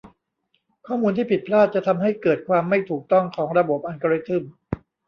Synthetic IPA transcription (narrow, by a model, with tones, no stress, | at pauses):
kʰɔː˥˩muː˧nt̪ʰiː˥˩pʰi˨˩t̪̚pʰlaː˥˩t̪̚t͡ɕa˨˩t̪ʰa˧mɦa˥˩jkɤː˨˩t̪̚kʰwaː˧mːa˥˩jt̪ʰuː˨˩k̚t̪ɔ˥˩ŋkʰɔː˩˦ŋɾa˧bo˨˩p̚ʔa˧nka˧ɾi˦˥t̪ʰɯ˥˩m